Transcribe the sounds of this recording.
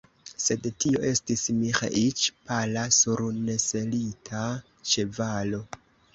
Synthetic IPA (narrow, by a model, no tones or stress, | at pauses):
se̞dtio̞̰ʔe̞stismixa̰ʔit͡ʃpalasuɾne̞se̞litʰa | t͡ʃevalo̞